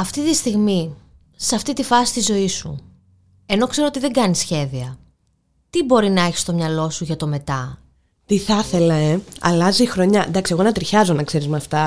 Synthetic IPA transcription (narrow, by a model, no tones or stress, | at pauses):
ɐft̪it̪ist̪iɣmi | sɐft̪it̪ifɐsi̥st̪izo̞isṵ | e̞no̞kse̞ɾoo̞t̪iðe̞ɡɐnisçe̞ðiɐ | t̪ibo̞ɾinɐe̞çi̥st̪o̞mɲɐlo̞suʝɐt̪o̞me̞t̪ɐ | t̪iθɐθe̞lɐe̞ɐ̰lɐzixɾo̞ɲɐd̪ɐksie̞ɣonɐt̪ɾiçɐzo̞nɐkse̞ɾizmɐft̪ɐ